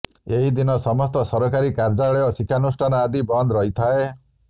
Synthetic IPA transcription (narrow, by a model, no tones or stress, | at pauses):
eɦid̪inɔsɔmɔst̪ɔsɔɾɔkaɾikaɾd͡ʒaɭeɔsikʰanusʈʰanɔad̪ibɔnd̪ɾɔɦit̪ʰae